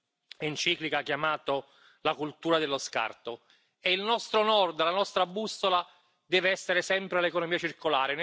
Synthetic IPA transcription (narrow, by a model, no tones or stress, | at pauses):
int͡ʃiːklikakjamaːt̪o | lakult̪uːɾad̪elːoska̰rt̪o | eilnɔst̪ɾonɔrd̪lanɔst̪ɾabːusːola | d̪ɛːveɛsːeɾesɛmpɾealːekonomiːat͡ʃirkolaːɾen